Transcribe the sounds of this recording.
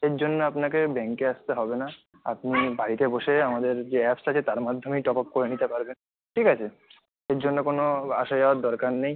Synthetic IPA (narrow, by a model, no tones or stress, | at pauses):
eɾd͡ʑonːoapnakebɛŋkeast̪eɦɔbena | a̰pnibaɾit̪eboʃeamad̪eɾd͡ʑeɛpsat͡ɕʰet̪aɾmad̪ʱːomejʈɔpɔp̚koɾenit̪epaɾben | ʈʰikat͡ɕʰe | eɾd͡ʑonːokonoaʃajaaɾd̪ɔɾkaɾːej